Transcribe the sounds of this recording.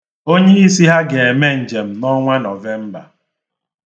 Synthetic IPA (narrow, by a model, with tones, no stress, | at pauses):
o˦ɲe˦i˦si˦ɦa˦ɡe˨e˨me˦n̩˨d͡ʒe˨m̩˨nɔ˦ŋʷa˦nɔ˨ve˦m̩˦ba̰˨